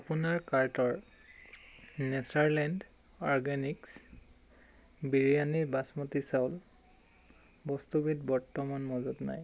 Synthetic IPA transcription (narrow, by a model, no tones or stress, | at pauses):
apunaɹkaɹtɔɹ | nɛsaɹlɛnd | ɔɹɡaniks | biɹijaniɹbasmɔtisaʊl | bɔstubitbɔɹtɔmanmɔzutna̰j